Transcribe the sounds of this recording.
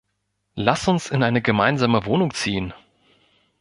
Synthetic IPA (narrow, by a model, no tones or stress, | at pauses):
lasʊnsɪnʔaɪnəɡəmaɪnzaːməvoːnʊŋt͡siːən